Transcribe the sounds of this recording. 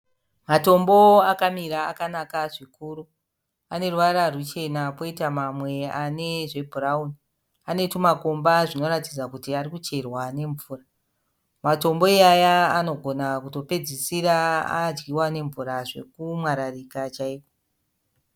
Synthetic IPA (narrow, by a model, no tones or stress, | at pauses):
mato̞mbo̞akamiɾa̰ːkanakaʐikuːɾu | ane̞ruʋaɾarut͡ʃe̞napo̞itamamwe̞ane̞ʐe̞bʱurauni | ane̞tumako̞mbaʐino̞ɾatid͡zakutiarikut͡ʃe̞rwane̞ɱvuːra | mato̞mbo̞iajaano̞ɡʱo̞nakuto̞pe̞d͡zisiraa̰d͡ʒɡiwane̞ɱvuɾaʐe̞̰kumwaɾarikat͡ʃaiːko